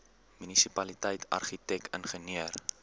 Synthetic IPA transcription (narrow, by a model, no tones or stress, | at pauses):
mynisipɐlitəjtʰɐ̰rχitɛkə̰nχəniər